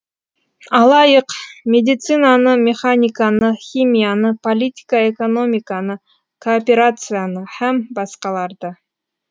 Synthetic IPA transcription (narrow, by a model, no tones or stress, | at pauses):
ɑlˠɑjəqmʲed̪ʲɪt̪sɨnanəmʲeχanʲɪkanəxʲimʲijanəpolʲitʲɪ̥kəeko̞no̞mʲikɑnə | kʰoːpʲeɾat̪sɨjanəhæmbɑsqɑlˠɑɾd̪ə